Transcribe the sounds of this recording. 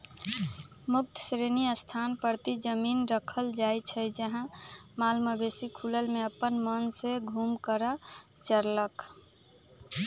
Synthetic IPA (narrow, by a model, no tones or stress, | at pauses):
muk̚t̪ʰsɾeniəst̪ʰanpəɾt̪id͡ʒəminɾəkʰəld͡ʒajt͡ʃʰəjd͡ʒəɦãmalməbesikʰuləlmeəpːənmənseɡʱumkəɾa | t͡ʃəɾlək